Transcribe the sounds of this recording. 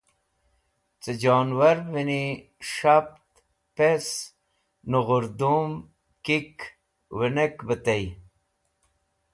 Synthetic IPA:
t͡sed͡ʑoːnwɐɾvini | ʂap̚t̪ | pes | nuɣʊɾd̪um | kik | wenekbət̪ej

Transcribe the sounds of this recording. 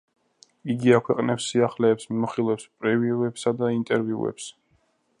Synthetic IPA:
iɡiakʰwɛqʼnɛpsːiaχlɛːpsmimɔχilˠvɛpspʼɾɛviuɛpsad̪aint̪ʼɛɾviṵɛ̰ps

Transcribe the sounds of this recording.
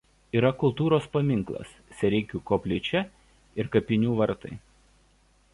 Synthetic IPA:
iːɾɐkʊlˠt̪uːɾoːspɐmʲɪŋˑklˠɐ̰s | sʲɛɾʲɛɪkʲuːkoːpʲlʲɪt͡ʃʲɛ | ɪɾkɐpʲɪnʲuːʋɐɾt̪ɐ̰ɪ

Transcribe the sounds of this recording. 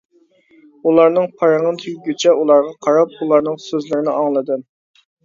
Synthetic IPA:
ulˠɑɾnɨŋpʰɑɾəʁɨnt̪ʰyjɡʲyt͡ʃʰɛʔulˠɑɾʁɑqʰɑɾɑp̚ulˠɑɾnɨŋsøzlɪɾɪnɪɑŋlˠɨd̪ɨm

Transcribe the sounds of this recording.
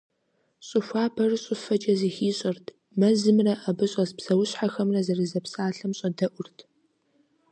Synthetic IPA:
ɕʼɨfʷaːbʰɐrɨɕʼʊfɐd͡ʒɐziːxiːɕʼɪrtʰ | mɐzɨmrɐʔɐbɨɕʼɐzpsɐwʊɕħaxɐmrɐzɐrɨzɐpsaːɬɐmɕʼɐdɐʔʷʊrtʰ

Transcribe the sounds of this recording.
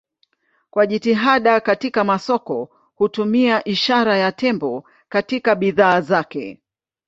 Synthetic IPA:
kwaʄitiɦaɗakatikamasɔkɔ | hutumiaʔiʃaɾajatɛmbɔ | katikaɓiðaːzakɛ̰

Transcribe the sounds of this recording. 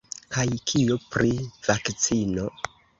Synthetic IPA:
kajkʰijopɾiv̥akt͡sino̞

